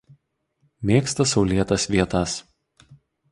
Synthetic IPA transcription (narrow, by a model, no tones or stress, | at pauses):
mʲeːkst̪ɐsɒʊlʲiɛt̪ɐsʋʲiɛt̪ɐs